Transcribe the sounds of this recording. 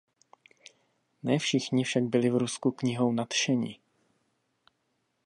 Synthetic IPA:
nɛːfʃɪxɲɪfʃaɡ̚bɪlɪvɾuskukɲɪɦo̞wnat̪ʃɛɲɪ̰

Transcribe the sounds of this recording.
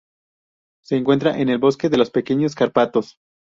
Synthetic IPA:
se̞ːŋkwe̞nt̪ɾaʔe̞ne̞lβo̞ske̞ðe̞lo̞spe̞keɲo̞s̬kaɾpat̪o̞s

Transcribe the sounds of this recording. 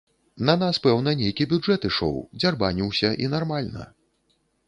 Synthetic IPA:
nɐnaspɛwnɐnʲejkʲibʲud͡ʐɛt̪ɨʂɔ̰wd͡zʲarbanʲiwsʲɐʔinarmalʲnɐ̰

